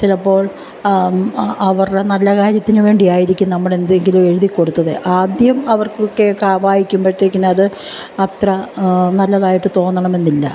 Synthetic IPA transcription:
t͡ɕilɐpːo̞ːɭ | ɐʋɐrɽenɐlːɐkaːɾjɐt̪ːinɨʋe̞ːɳɖijaːjiɾikʲːunnɐmːɐɭe̞nd̪eŋɡilume̞ɻuðikːo̞ɽut̪ːɐðeʔaːd̪jɐmɐʋɐrkokːekaːʋaːjikʲːumpɐʈːiɾikʲːinɐɐðɨ | ɐt̪rɐnɐlːɐðaːjiʈːɨt̪o̞ːnːɐɳɐme̞nːilːɐ̰

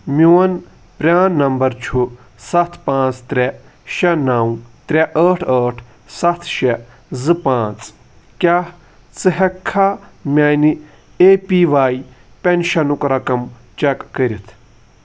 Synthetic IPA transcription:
mʲiwɐn | pɾʲaːnnːɐmbɐɾt͡ʃʰu | sɐt̪ʰpãːt͡st̪ɾʲɛ | ʃɛnawt̪ɾʲɛʔəːʈʰəːʈʰ | sɐt̪ʰʃɛ | zɨpãːt͡s | kʲaːh | t͡sɨɦɐkʰːaːmʲaːni | eːpiːʋaːj | pʲɛnʃɐnukɾɐkɐm | t͡ʃɛkːəɾʲit̪ʰ

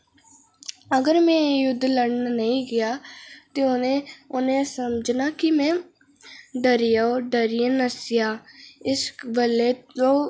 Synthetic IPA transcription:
əɡəɾmɛ̃ːjʊd̪ːləɽnaːnəĩːɡɪjaːt̪eːʊeʊnẽːsəmd͡ʒnaːkɪmɛ̃ː | ɖəɾijaoːɖəɾiẽnəsɪjaːɪsbəlːeːõː

